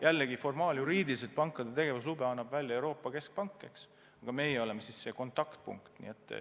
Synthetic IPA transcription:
jʔælːeɡifo̞rmɑːljuɾiːd̪ilis̬et̪pɑŋkːˑɑd̪e̞t̪e̞ɡ̥e̞vus̬lubeɑnːɑbvælʲjɑewɾo̞ːpːˑɑke̞sk̚pɑŋkˑːe̞ks | ɑɡ̥ɑme̞jeo̞le̞mesisːe̞ːko̞nt̪ːˑɑkt̪̚pṵŋkt̪nḭet̪ːˑ

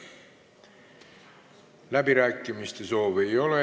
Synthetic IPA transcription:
læbiɾæːkːˑimist̪e̞so̞ːve̞jo̞le

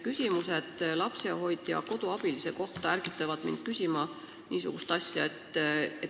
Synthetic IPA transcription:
kysʲimuse̞d̪̥lɑpseho̞jd̪̥jɑ̰ko̞d̪uɑb̥ilise̞ko̞ht̪ɑæɾɡ̥it̪ːˑɑvɑd̪̥mḭnd̪̥̚kysʲimɑ | niːsṵɡ̥ust̪ɑsʲjɑe̞t̪ːe

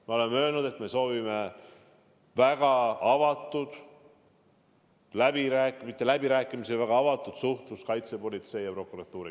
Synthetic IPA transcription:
meole̞mø̞ːlnud̪̥e̞t̪me̞so̞ːvime̞ | væɡ̥ɑɑvɑt̪ˑːud̪̥ | læb̥iɾæːkmit̪ˑːe̞læb̥iɾæːkːˑimisivæɡ̥ɑɑvɑt̪ːˑud̪̥suht̪luskɑjt̪se̞po̞lʲit̪se̞jɑpro̞kuɾɑt̪ːˑuːɾḭ

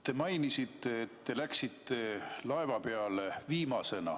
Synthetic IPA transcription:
t̪e̞mɑjnisit̪ːe̞ːt̪ːe̞læksit̪ːe̞lɑe̞vɑpe̞ɑleviːmɑse̞nɑ̰

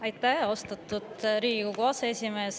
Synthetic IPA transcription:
ɑjt̪ːˑæhost̪ɑt̪ːˑut̪ɾiːɡikukuɑseesʲime̞ːs

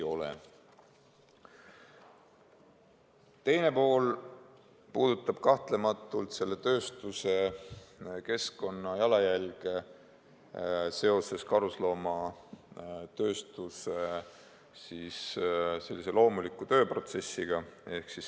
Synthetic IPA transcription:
o̞lḛ | t̪e̞jne̞po̞ːl | puːd̪̥ut̪ːˑɑb̥̚kɑht̪le̞mɑt̪ːˑult̪se̞lːet̪ø̞ːst̪use̞ | ke̞sko̞nːɑjɑlɑjælɡe | se̞o̞se̞skɑɾuslo̞ːmɑ | t̪ø̞ːst̪use̞ | sisse̞lːise̞lo̞ːmulikːˑut̪ø̞ːpro̞t̪se̞sːiɡ̥ɑe̞hksis

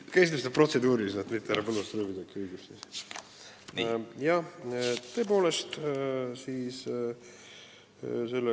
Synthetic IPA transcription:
kesit̪mest̪epro̞t̪se̞d̪uːɾisnet̪mit̪ːeæɾɑpɤlust̪ruːvid̪ɑkyːɡipsis | jɑ | t̪ːɤːpo̞ːlest̪siːs | se̞lːe

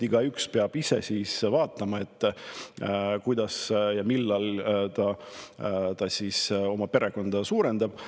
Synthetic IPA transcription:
iɡ̥ɑykspeɑb̥ise̞̰siːsvɑːt̪ˑːɑmɑe̞t̪ːˑ | kujd̪̥ɑsjɑmilːɑlt̪ɑ | t̪ɑsiːso̞mɑpe̞ɾe̞ɡ̥o̞nd̪̥ɑsuːɾe̞nd̪̥ɑb̥

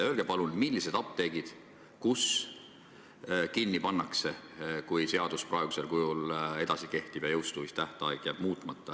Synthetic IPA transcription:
ø̞ːlɡ̥e̞pɑlunmilːise̞d̪̥ɑp̚t̪e̞ːɡ̥id̪̥ | kus | kinːipɑnːɑkse̞kujse̞ɑd̪̥usprɑe̞ɡ̥use̞lkujule̞d̪̥ɑsike̞ht̪ib̥jɑjɤwst̪uvist̪æht̪ɑjkjæb̥muːt̪ˑmɑt̪ːˑɑ

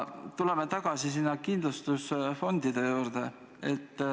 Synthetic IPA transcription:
t̪ule̞met̪ɑɡ̥ɑsisinːɑkind̪lust̪usfo̞nd̪̥id̪̥e̞juːɾd̪̥e | e̞t̪ː

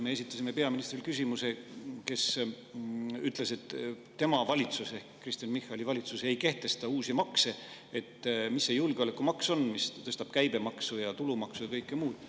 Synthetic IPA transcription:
me̞es̬ʲit̪ːˑɑsʲime̞peɑminist̪rilkysʲimuse̞ke̞s | yt̪ˑle̞se̞t̪ː | e̞mɑvɑlʲit̪suse̞hkːrist̪jɑnmihɑlʲivɑlʲit̪suse̞jke̞ht̪e̞st̪ɑuːsimɑkse | et̪ːmisːejulɡ̥eo̞lekːˑumɑkso̞nmist̪ɤst̪ɑb̥kæjb̥e̞mɑksujɑt̪ulumɑksuɑkɤjkːˑemuːd̪̥

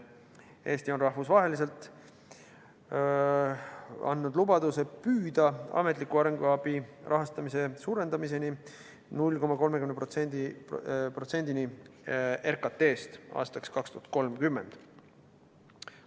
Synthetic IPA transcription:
e̞ːst̪io̞nrɑhvusvɑɦe̞lise̞lt̪ːˑ | ɑ̰nːud̪lubɑd̪use̞pyːd̪ɑɑ̰met̪ˑlikːˑuɑɾe̞ŋɡuɑb̥irʔɑɦɑst̪ɑmise̞suːɾe̞nd̪̥ɑmise̞ni | nulʲːko̞mːɑko̞lme̞kymneposend̪ipro̞t̪se̞nʲd̪̥ini | erkɑt̪ːe̞ːst̪ɑ̰ːst̪ɑkskɑkst̪uhɑt̪̚ko̞lmkymːe̞nd̪̥

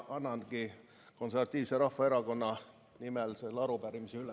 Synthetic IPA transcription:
ɑnːɑnɡ̥i | ko̞nservɑt̪ʲːˑiːvse̞ɾɑfːɑe̞ɾɑko̞nːɑ | nimelselːɑɾupæɾimiseyle

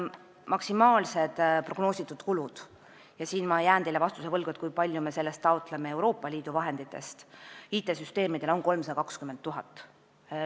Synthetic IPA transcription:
mʔɑksimɑːlse̞d̪̥pro̞ɡ̥no̞ːsʲit̪ːˑud̪̥kulud̪̥ | jɑsiːnmɑjæːnd̪elevɑst̪use̞vɤlɡ̥ut̪kujpɑlʲjume̞se̞lːe̞st̪ːɑwt̪ˑleme̞e̞wɾo̞ːpːˑɑliːd̪̥uvɑɦe̞nd̪̥it̪ːˑe̞̰st̪iːt̪ːˑe̞syst̪e̞ːmid̪̥e̞lo̞nko̞lmsɑd̪ɑkɑkskymːend̪ːuɦɑt̪ːˑ

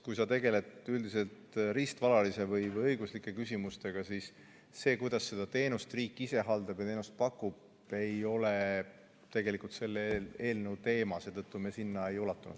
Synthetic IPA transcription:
kujsɑt̪e̞ɡ̥e̞le̞t̪yld̪ise̞lt̪ɾist̪vɑlɑlise̞vɤjvɤjɤjɡuslikːˑe̞kysʲimust̪e̞ɡ̥ɑsiːsː | e̞ːkujd̪̥ɑsːe̞d̪̥ɑt̪e̞ːnust̪riːkːˑise̞ɦɑld̪̥ɑb̥jt̪e̞ːnust̪̚pɑkːub̥ | e̞jo̞le̞ | t̪e̞ɡe̞likult̪se̞lːee̞ːlnewt̪e̞ːmɑse̞ːt̪ɤt̪ːumesinːɑe̞julɑt̪ːˑunṵd̪̥

